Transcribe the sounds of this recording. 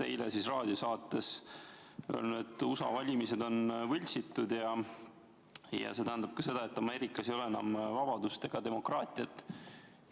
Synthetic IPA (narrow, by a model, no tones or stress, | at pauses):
t̪e̞̰jlḛsisrɑːd̪̥ʲiosɑːt̪ːˑe̞s | o̰lnuet̪ːˑusɑ̰vɑlʲimise̞d̪o̞nvɤlʲsit̪ːˑud̪̥jɑ | jɑ̰se̞t̪æɦænd̪ɑb̥kɑse̞d̪ɑe̞t̪ːˑɑme̞ːɾikˑːɑsejo̞leenɑ̰mvɑb̥ɑd̪̥ust̪e̞ɡ̥ɑd̪e̞mo̞krɑːt̪ʲˑiɑt̪ːˑ